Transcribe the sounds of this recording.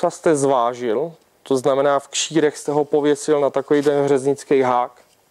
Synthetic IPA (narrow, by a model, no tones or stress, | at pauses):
ast̪ɛzvaːʒɪl | t̪oznamɛnaːfkʃiːɾɛxst̪ɛɦo̞po̞vjɛsɪlnat̪akovijd̪ɛnɦr̝ɛzɲɪt͡skɛjɦaːk